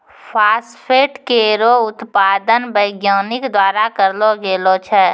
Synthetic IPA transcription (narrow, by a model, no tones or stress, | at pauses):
pʰaːspʰeːʈkeɾoʊt̪paːd̪ənbəɪɡjaːnɪkd̪waːɾakəɾloɡeːlot͡ʃʰɛ